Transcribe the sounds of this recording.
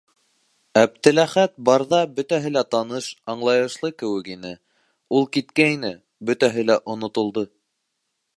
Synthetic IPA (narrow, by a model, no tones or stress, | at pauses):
æb̚t̪ɘ̆læχæt̪̚bɑɾðɑbɵ̆t̪æɦɘlæt̪ɑnɤʃɑɴlˠɑjɤ̆ʃlˠɤkɘ̆wɘ̆kinɘ | ulˠkit̪kæinɘ | bɵ̆t̪æɦɘlæʔŏnŏt̪ŏlˠd̪ɤ